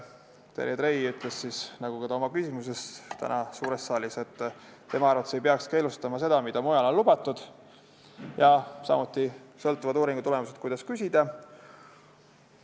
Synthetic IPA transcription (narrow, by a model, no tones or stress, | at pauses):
t̪ḛjed̪ɾejyt̪ˑle̞ssisnɑɡ̥ukɑt̪ɑo̞mɑkysʲimuse̞st̪æ̰nʔɑsuːɾe̞st̪ːɑːlise̞t̪ː | t̪ːe̞mɑɑɾrvɑt̪ːe̥sejpeɑkske̞ːlust̪ɑmɑse̞d̪̥ɑmid̪ɑmujɑlo̞nlub̥ɑt̪ːˑud̪̥ | jɑsɑ̰mut̪ːˑisɤ̞lt̪ːˑuvɑd̪uːɾiŋɡut̪ule̞muse̞t̪̚kujd̪ɑskysʲid̪̥ɑ